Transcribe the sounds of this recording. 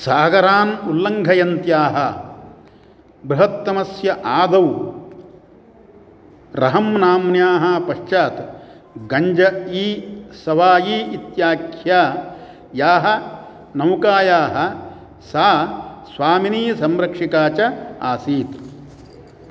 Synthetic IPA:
saːɡɐɾaːnulːɐŋɡʱɐjɐnt̪jaːɦɐ | bɾuɦɐt̪ːɐmɐsjɐʔaːd̪ɐw | ɾɐɦɐmnaːmnjaːɦɐpɐʂt͡ʃaːt̪ | ɡɐɲd͡ʒɐiːsɐʋaːjiːit̪jaːkʰjaː | jaːɦɐ̆ | nɐwkaːjaːɦɐ̆ | saːsʋaːminiːsɐmɾɐkʂikaːt͡ʃɐa̰ːsiːt̪

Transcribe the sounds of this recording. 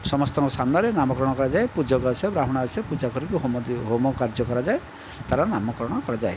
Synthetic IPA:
sɔmɔst̪ɔŋkɔsamnɔɾenamɔkɾɔɽ̃ɔkɔɾad͡ʒaepud͡ʒɔkasabɾaɦɔɽ̃asɔpud͡ʒakɔɾikuɦ̪ɦomɔkaɾd͡ʒɔkɔɾad͡ʒae | t̪aɾanamɔkɔɾɔɽ̃ɔkɔɾad͡ʒae

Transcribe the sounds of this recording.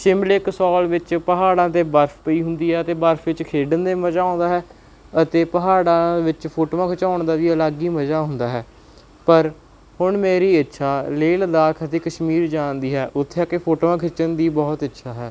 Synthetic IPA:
sɪmlɪksɔːlʋɪt͡ʃpəɦaːɽãːt̪eːbəɾfʰpəiːɦʊnd̪iːɦɛːət̪eːbəɾfʰʋɪt͡ʃkʰeːɖənd̪eːməd͡ʒaːõːnd̪aːɦɛː | ət̪eːpəɦaːɽãːʋɪt͡ʃpʰoːʈoːʋãːkʰɪt͡ʃaːʊɳd̪aːd̪iːəlaːɡiːməd͡ʒaːɦʊnd̪aːɦɛː | pəɾ | hʊɳmeːɾiːətːʃʰaːleːləd̪aːkʰət̪eːkəʃmiːɾd͡ʒaːnd̪iːɦɛːʔʊt̪ʰːeaːkepʰoːʈoːʋãːkʰɪt͡ʃənd̪iːbɔːt̪ətːʃʰaːɦɛː

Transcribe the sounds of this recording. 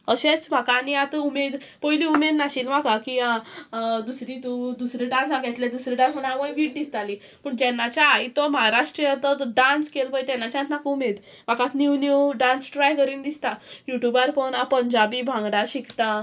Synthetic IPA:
əɕet͡sbʱakaniat̪əumed̪ | pɔjliumed̪naɕiːlʋakakiãd̪usɾit̪ud̪usɾiɖãnsãɡɛt̪led̪usɾiɖãnsɦoɽ̃aɽməjʋiːʈ̚d̪ist̪ali | pəːɳd͡ʑɛnːat͡ɕait̪ɔməɦaɾaʂʈɾiat̪əɖãnskelpəjt̪ɛnːat͡ɕãnt̪nakumed̪ | ʋ̤akãt̪niwniuɖãnsʈɾajkəɾiːnd̪ist̪ajuʈjubaɾfonãpəɲd͡ʑabiːbʱãŋɡɽaɕikʰt̪a

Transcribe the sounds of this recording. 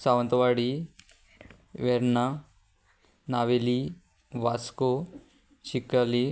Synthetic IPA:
saːʋɐnt̪ɐʋaːɽi | ʋeɾna | naʋeli | ʋasko | t͡ʃikːali

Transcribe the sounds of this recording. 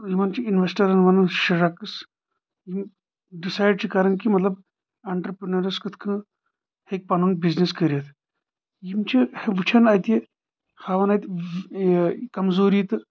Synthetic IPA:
jimɐnt͡ʃʰiinʋesʈɐɾɐnʋɐnɐʃiɾakɨs | jim | ɖisaːjɖ̚t͡ʃʰikɐɾɐŋkimɐt̪lɐb | ɐɳʈɾəpɾɐnɐɾiskɨt̪ʰkʰɨ̃ | hek̚pɐnun̚bizniskəɾʲjɐt̪ʰ | jimt͡ʃʰiheʋɨt͡ʃʰɐnɐjt̪je | xaːʋɐnajt̪ | kɐmzoːɾiːt̪ɨ

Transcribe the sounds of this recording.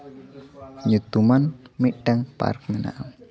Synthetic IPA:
ɲut̪umanmiɖ̥aŋpa̰rk̚məna̰ʔm

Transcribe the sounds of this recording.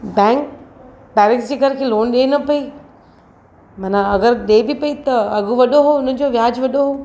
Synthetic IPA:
bɛ̃ːŋk | bɛːɾɪksd͡ʑeːɡʱɐɾkʰeːloːnɗeːnɐpɐi | mɐnaɐɡəɾɗeːbipɐit̪ɐɐɡuʋɐɗoɦoʊnə̆d͡ʑoʋjaːd͡ʑʋɐɗoɦoː

